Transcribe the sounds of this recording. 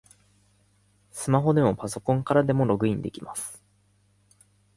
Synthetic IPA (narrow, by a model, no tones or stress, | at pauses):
sɨmaɦo̞d̪e̞mo̞paso̞kõŋkaɾad̪e̞mo̞ɾo̞ɡɯ̟ĩnd̪e̞̰kʲimasɨ̥